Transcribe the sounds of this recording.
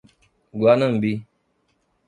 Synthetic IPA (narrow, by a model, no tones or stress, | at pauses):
ɡwanəmbi